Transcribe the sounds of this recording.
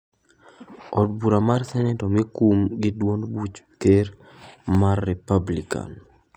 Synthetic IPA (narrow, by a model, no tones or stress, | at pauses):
ɔd̚buɾamarsɛnɛtɔmikumɡɪdwonbut͡ʃkeɾ | marːɛpablika̰n